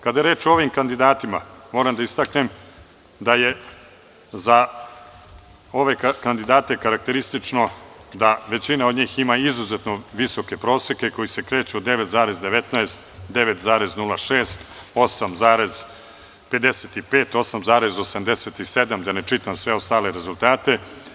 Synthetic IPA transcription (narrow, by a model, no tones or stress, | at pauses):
kad̪ajeɾeːt͡ʃoo̞ʋimkand̪id̪aːt̪imamoːɾamd̪aist̪aknem | d̪aje̞ | za | o̞ʋe̞kkand̪id̪aːt̪e̞kaɾak̚t̪e̞ɾist̪it͡ʂnod̪aʋe̞t͡ɕinaod̪ɲiːximaizuzet̪noʋiso̞ke̞pɾo̞ːsjeke̞ko̞jise̞kɾe̞ːt͡ɕuod̪e̞ʋet̪zaːɾe̞zd̪e̞ʋe̞t̪naest̪d̪e̞ʋet̪zaːɾeznulaʃeːst̪o̞samzaːɾe̞z | pe̞d̪e̞set̪ipeːt̪o̞samzaːɾe̞zo̞samd̪eset̪ised̪amd̪anet͡ʂit̪amsʋe̞o̞st̪aːle̞ɾe̞zulˠt̪aːt̪e̞